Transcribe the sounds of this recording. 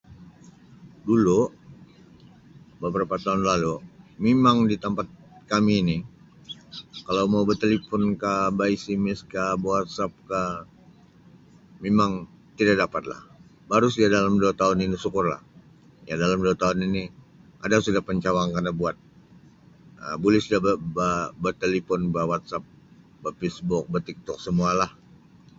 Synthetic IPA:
dulu | bəbəɾapat̪aʊnlalumemaŋdit̪əmpat̪̚kamiːni | kalawmaubət̪elipɔnkabaisimɪskabwat̪̚sap̚ka | memaŋ | t̪idaʔdapat̪̚la̰h | baɾʊsadalamduat̪aʊninisukʊrla̰h | jadalamduat̪aʊnini | ʔa̰dasudahpəɲt͡ʃawaŋkarnabuat̪̚ | ə̰bulɪhsudabəbabət̪elifɔnbəwat̪̚sap̚ | bəpisbʊk̚bət̪ik̚t̪ɔk̚səmualah

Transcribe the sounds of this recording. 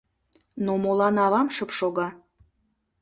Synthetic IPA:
nomolˠɑnɑβɑmʃɤpʃoɣɑ

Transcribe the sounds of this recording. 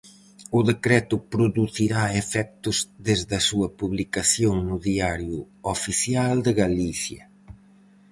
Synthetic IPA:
ʊðekɾɛt̪ʊpɾuðuθiɾaefɛk̚t̪ʊzðezðɐsuɐpuβlikaθjoŋnʊðiaɾjʊ | ofiθjald̪ɪɣaliθjɐ̰

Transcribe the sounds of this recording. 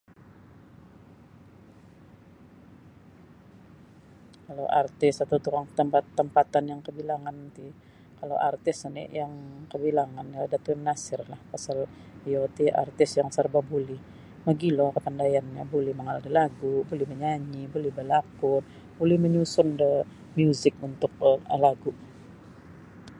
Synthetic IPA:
kalo̰wʔart̪ɪsat̪awt̪ukaŋkətːəmpat̪ːəmpat̪anjaŋkəbilaŋant̪i | kalo̰ʔart̪ɪsnḭjaŋkəbilaŋanaladat̪umənasɪrlahpasal | iot̪iʔa̰rt̪ɪsjaŋsərbabulɛh | maɡilokəp̪andajanɲabolɛhməŋaldilaɡubolɛhməɲaɲibolɛhbəlakʊr | bolɛhməɲusʊndə | mjuzɪk̚unt̪ʊk̚əlaɡu

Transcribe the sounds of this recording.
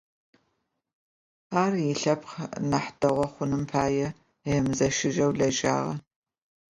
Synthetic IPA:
aːrjɪɬɐpχnɐħd̥ɐʁʷɔχʷʊnɨmpʰaːjɛ | jɛmzɐʃɪʒɐwɮɐʒʼa̰ːʁɐ̰

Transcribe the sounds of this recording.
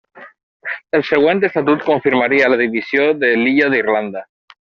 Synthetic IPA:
elseɣ̞went̪̬est̪at̪̬ut̪koɱfiɾmaɾialað̞iβisjoðeliʎaðirland̪a

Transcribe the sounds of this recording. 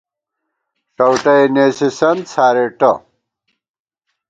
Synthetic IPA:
ʂɐwʈɐeneːsisɐnd̪sʰaːɾeʈɐ

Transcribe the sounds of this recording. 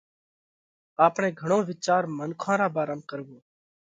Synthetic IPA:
aːpɳẽːɡʱəɽ̃õːʋɪt͡ʃaːɾmənkʰãːɾaːbaːɾəmkəɾboː

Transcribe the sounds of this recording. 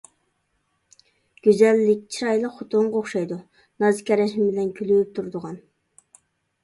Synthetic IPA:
ɡ̥ʲøzælːɪk̚ʲt͡ʃʰiɑjlˠɑχʊt̪ʊɴʁoχʃɑjd̪u | nɑzkʲɛɾɛʃmɪbɪlɛnkʲʰylyyp̚t̪ʰuɾd̪ʊʁɑn

